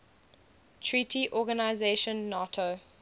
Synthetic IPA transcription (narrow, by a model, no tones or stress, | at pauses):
tʰɹitʰiʔɔːɡanaɪzeʃə̃nːɔtʰo